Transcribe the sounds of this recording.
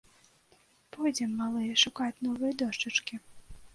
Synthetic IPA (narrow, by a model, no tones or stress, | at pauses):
pɔjd͡zʲɛmːalˠɨjɛʂukat͡sʲnɔvɨjɛd̪ɔʂt͡ʂɨt͡ʂkʲi